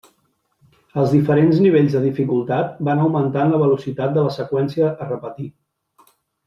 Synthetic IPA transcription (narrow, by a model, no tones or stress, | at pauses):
əlˠzðifəɾenzniβeʎzðəðifikulˠt̪at̪banəwmənt̪anləβ̞əlusit̪at̪̚d̪ələsəkwɛnsiəʔːrəpət̪i